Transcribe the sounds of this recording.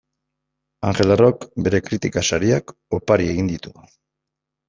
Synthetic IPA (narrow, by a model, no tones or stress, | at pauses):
aŋxe̞larokbe̞ɾe̞kɾit̪ikasaɾiak | o̞paɾie̞ɣind̪it̪u